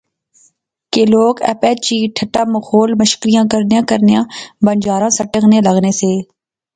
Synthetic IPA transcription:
keloːkɛ̰ːpɛːt͡ʃiːʈʰəʈaːməxʰoːlməʃkɾɪjãːkəɾnejãːkəɾnejãːbənd͡ʒaːɾãːsəʈəkneːləɡneːseː

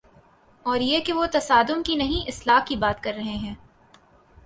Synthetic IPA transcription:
ɔːɾjekeʋot̪ɐsaːd̪ʊmkinɐɦĩʔɪslaːkibaːt̪kɐɾːɐɦeɦɛ̃ː

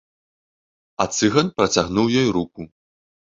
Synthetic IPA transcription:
ɐt̪sɨɣɐnpɾɐt͡sʲaɣnuwjɔjɾuku

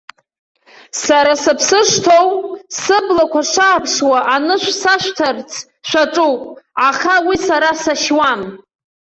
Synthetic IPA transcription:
saɾasɨpʰsɨʂtʰowsɨblakʷʰaʂaːpʰʂwaʔanɨʃᶣʷsaʃʷtʰart͡sʰ | ʃʷaʈ͡ʂʼuwpʼaχawisaɾasaʃwam

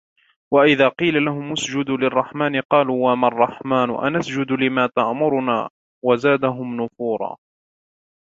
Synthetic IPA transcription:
waʔɪðaːqiːlalaɦʊmːʊsd͡ʒʊd̪lɪrˤːɑħmaːnɪqɑːluːwamarˤːɑħmaːnʊ̰ʔa̰nasd͡ʒʊd̪lɪmaːt̪aʔmʊɾʊnaː | wazaːd̪aɦʊmnʊfuːɾˤɑ̰ː

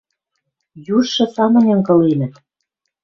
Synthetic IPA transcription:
juʃːɤ̆sɑmɤ̆nʲɤ̆ŋkɤ̆lenɘ̆t̪̚

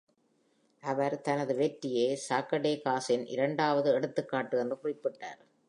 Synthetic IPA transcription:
ʔɐʋɐɾt̪ɐnɐðɯʋeːʈːɪjeːsaːkːɐɽeːkaːsɪnʔɪ̰ɾɐɳɖaːʋɐðɯɛɽɯt̪ːɯkːaːʈːɯɛndrɯkʊrɪpːɪʈːa̰ːɾ

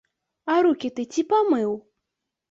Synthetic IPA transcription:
aɾukʲit̪ɨtʲipamɨw

